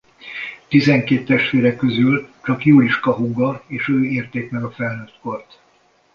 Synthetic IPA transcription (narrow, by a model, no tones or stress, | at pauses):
t̪izɛŋkeːt̪ːɛʃt̪ʋeːɾɛkːøzylt͡ʃɒkjuːɾiʃkɒɦuɡɒeːʃøːeːrt̪eːkmɛɡɒfɛlnøːt̪ko̞rt̪